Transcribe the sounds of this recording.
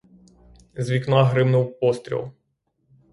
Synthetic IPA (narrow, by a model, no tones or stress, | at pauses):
zʲʋʲiknaɦɾɪmnʊwpɔst̪ʲɾʲḭlˠ